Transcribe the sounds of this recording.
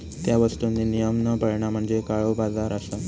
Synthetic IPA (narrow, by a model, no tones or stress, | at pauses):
t̪jaʋəst̪unːinijəmnəpəɽɳam̤əɳd͡zekaɭobad͡zaɾəsa